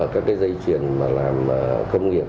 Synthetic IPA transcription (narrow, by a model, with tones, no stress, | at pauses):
kaː˦˥k̚ːaː˨˦jzə˧jt͡ɕwi˨˩ənmaː˨˩laː˨˩mː˨˩xə˧wŋ͡mŋi˨˩ə